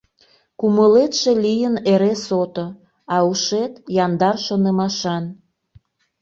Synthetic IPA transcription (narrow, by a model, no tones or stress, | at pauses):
kuməlet̪ʃelijəneɾesot̪o | ɑuʃet̪jɑnd̪ɑrʃonəmɑʃɑn